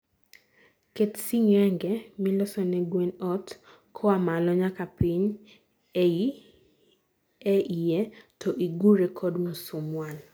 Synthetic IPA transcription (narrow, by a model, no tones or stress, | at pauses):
ketsiŋɛŋɡɛmɪlɔsɔnɛɡwenɔt | kʰɔamalɔɲakapiɲ | ei | ɛʔijɛtʰɔʔiɡuɾɛkʰɔdmosʊmwan